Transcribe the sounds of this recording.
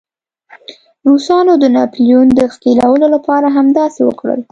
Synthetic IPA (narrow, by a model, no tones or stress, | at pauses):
ɾusɑnod̪ənɑpljund̪əxkilawəlolapɑɾaɦamd̪ɑsewə̰kɽə̰l